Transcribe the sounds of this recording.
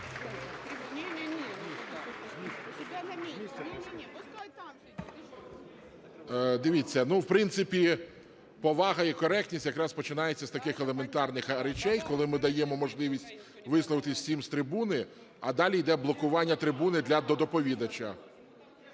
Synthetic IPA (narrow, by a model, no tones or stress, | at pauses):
d̪ɪʋʲit͡sʲːɐnuwpɾɪnt̪sɪpʲi | pɔʋɑɦɐikɔɾɛk̚tʲnʲisʲtʲjɐkɾɑspɔt͡ʃɪnɑjet͡sʲːɐst̪ɐkɪxelˠe̞ment̪ɑrnɪxɾet͡ʃɛjkɔlˠɪmɪd̪ɐjɛmɔmɔʒlˠɪʋʲisʲtʲ | ʋɪslˠɔʋɪt̪ɪsʲsʲimst̪ɾɪbunɪ | ɐd̪ɑlʲijd̪ɛblˠɔkʊʋɑnʲːɐt̪ɾɪbunɪd̪lʲɐd̪ɔd̪ɔpɔʋʲid̪ɐt͡ʃɐ